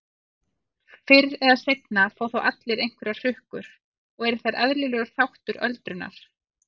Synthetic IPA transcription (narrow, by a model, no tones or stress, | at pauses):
fɪɾɾɛðaðsejt̪nafoːwθawʔat̪lɪɾejŋ̥kvɛɾḁr̥ʏhkʏɾ̥ | ɔɣɛɾɪɾ̥θaɾaðɾlɪlɛːɣʏɾ̥θawht̪ʏɾœlt̪ɾʏnːa̰ɾ̥